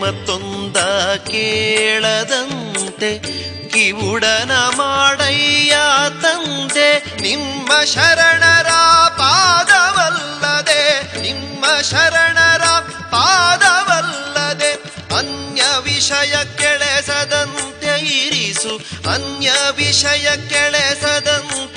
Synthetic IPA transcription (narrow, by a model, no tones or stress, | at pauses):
mɐt̪ːond̪ɐkeːɭɐd̪ɐnt̪e | kiʋuɽɐnɐmaːɽɐjjat̪ɐnt̪e | nimːɐʃɐɾɐɳɐɾɐpaːd̪ɐʋɐlːɐd̪enimːɐʃɐɾɐɳɐɾɐ | paːd̪ɐʋɐlːɐd̪e | ɐnjɐʋiʂɐjɐkɛɭesɐd̪ɐnt̪eiɾisuɐ̰njɐʋiʂɐjɐkɛɭesɐd̪ɐnt̪